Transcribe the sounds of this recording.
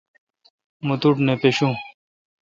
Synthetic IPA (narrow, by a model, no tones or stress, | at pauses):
mut̪uʈnepeɕũː